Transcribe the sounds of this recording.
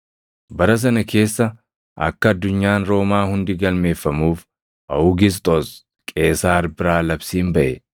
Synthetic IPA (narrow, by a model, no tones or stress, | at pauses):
bɐɾɐs̬ɐnɐkʰe̞ːsːɐ | ɐ̰kːɐːd̪ːʊɲːaːnɾo̞ːmaːhʊnd̪ɪɡɐlme̞ːfːɐmuːf | ʔɐʊɡɪs̬t̪ʼɔs | kʼe̞ːsaːɾbɪɾaːlɐbsiːmbɐʔɛ